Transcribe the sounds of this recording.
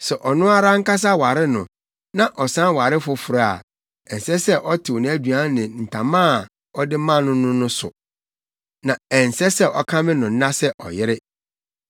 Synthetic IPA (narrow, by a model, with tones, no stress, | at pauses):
sɛ˨ʔɔ˨nʊ̃˦a˦ɾa˦ŋ̩˦ka˦s̬a˦wa˨ɾɪ˦nʊ̰̃˨ | nã˦ʔɔ˨sã˦n˦wa˨ɾɪ˦fʊ˦fʊ˨ɾa˦˨a̰˨ | ɛ˨n˨sɛ˦sɛ˦ʔɔ˦tʰɪ˨ɔ˨ñ˦æ˦dɥa˦nɪ̃˨n̩˨tʰã˨mãː˦˨ | ɔ˦dɪ˦mã˦˨nʊ̃˦nʊ̃˦nʊ̃˦sʊ̰˨ | nã˨ɛ˨n˨sɛ˦sɛ˦ʔɔ˦kʰã˦mɪ̃˦nʊ̃˨n̩˦nã˦sɛ˦ʔɔ̰˨jɪ˦ɾɪ˦